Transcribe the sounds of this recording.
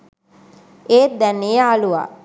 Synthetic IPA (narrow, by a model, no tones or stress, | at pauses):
eːd̪ɛnejəaluʋa̰ː